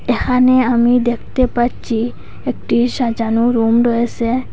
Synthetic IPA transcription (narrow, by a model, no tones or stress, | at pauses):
ekʰaneamid̪ekʰt̪epaɾt͡ʃʰi | ek̚ʈiʃad͡ʒanuɾumɾɔese